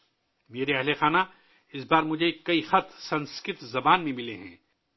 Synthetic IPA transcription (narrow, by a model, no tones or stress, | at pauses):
meːɾeɐɦlexaːna | ɪsbaːɾmʊd͡ʒʱekːɐixɐt̪ʰsɐ̃nskɾɪt̪zɐbaːnmẽmɪleɦɛ̰̃ː